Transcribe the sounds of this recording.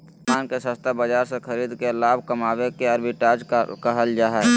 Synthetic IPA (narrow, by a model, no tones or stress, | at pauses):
maːnkesə̃st̪ʰabəd͡ʒaːɾsekəɾiːd̪kelaːbkɐmaːwekeɐɾbɪʈaːd͡ʒkaɦəld͡ʒaːɦɛ